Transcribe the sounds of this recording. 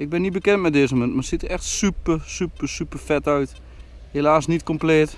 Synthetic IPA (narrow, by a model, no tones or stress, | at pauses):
ɪɡ̚bɪnitbəkɛntmɛdɪːzəmənmasitəɛxtsypərsypəsypərfɛtœɥt | helaːsnitkompleːt